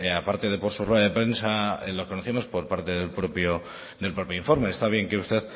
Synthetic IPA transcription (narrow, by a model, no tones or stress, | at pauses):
apaɾt̪e̞ðe̞po̞ɾsuroaðe̞pɾe̞nsaelokonoθiamo̞spo̞ɾpaɾt̪e̞ðelpɾopjo | d̪e̞lpɾo̞pjoiɱfo̞ɾme̞ːst̪aβ̞je̞ŋkeust̪eð